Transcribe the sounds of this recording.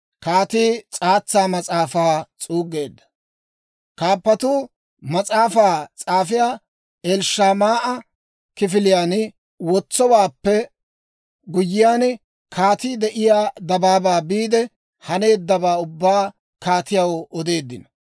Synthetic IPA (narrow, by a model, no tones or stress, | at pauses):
kaːt̪iːt͡sʼaːt͡sːaːmɐt͡sʼaːfaːt͡sʼuːɡe̞ːd̪ːɐ̥ | kaːpːɐt̪uː | mɐt͡sʼaːfaːt͡sʼaːfɪjaː | ɛlʃaːmaːʔɐ | kɪfɪlɪjaːn | wɔt͡sːɔwaːpːɛ | ɡʊjːɪjaːn | kʰaːt̪iːd̪ɛʔɪjaːd̪ɐbaːbaːbiːd̪ɛ | hɐne̞ːd̪ːɐbaːʊbːaː | kaːt̪ɪjɐwɔd̪e̞ːd̪ːɪnɐ